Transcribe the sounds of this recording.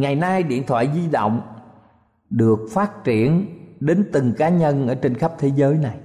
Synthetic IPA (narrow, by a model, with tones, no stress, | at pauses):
ŋa˨˩jnaː˧jɗḭ˧˨ənt̪ʰwa̰ː˧˨jzi˧ɗo̰˧˨wŋ͡m | ɗɨ˨˩ək̚faː˦˥t̚t͡ɕi˧˩˨ənɗe˨˦nt̪ɨ˨˩ŋkaː˨˦ɲə˧nʔəː˧˩t͡ɕe˧nxə˦˥p̚t̪ʰe˨˦zəː˨˦jna˨˩j